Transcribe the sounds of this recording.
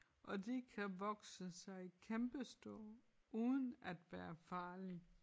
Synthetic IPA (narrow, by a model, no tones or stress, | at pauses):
ʔɒ̽d̥ekʰæʋɒɡ̥səsɑ̈ɪkʰemb̥əsd̥o̰ɐ̰ | ʔuːðˠn̩æd̥ʋæːɐfɑ̈ːli